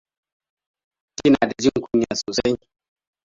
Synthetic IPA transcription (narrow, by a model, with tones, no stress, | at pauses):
ti˦na˨da˨d͡ʒi˦ŋku˦ɲː˨a˨soː˨sa˦j